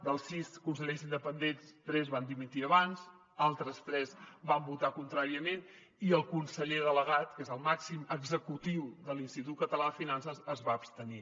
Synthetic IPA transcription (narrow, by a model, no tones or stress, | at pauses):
d̪əlˠsːiskunsəʎezind̪əpənd̪enst̪ɾɛzβand̪imit̪iəβanz | alˠt̪ɾəst̪ɾɛzbambut̪akunt̪ɾaɾiəmen | iəlˠkunsəʎeðələɣ̞at̪kezəlˠmaksiməɡzəkut̪iwd̪əlinst̪it̪ut̪̚kət̪əlaəfinansəzəzβaəːpst̪əni